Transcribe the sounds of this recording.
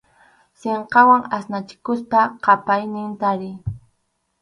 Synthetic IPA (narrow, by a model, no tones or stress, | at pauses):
seɴqɑwaŋasnat͡ʃɪ̥kʊspaqɑpajnɪnt̪aɾɪj